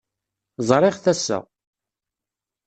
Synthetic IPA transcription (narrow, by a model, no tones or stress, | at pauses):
zˤɾˤɪχθæsːæ̰